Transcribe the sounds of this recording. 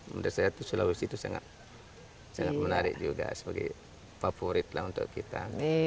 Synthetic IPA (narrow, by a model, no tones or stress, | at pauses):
mədasajat̪usulawisit̪usaŋa̰t̪ | saŋat̪̚mənaɾɪk̚d͡ʒuɡa̰sə̥baɡḭ | fafoɾɪt̪̚lahunt̪ʊ̰ʔkit̪a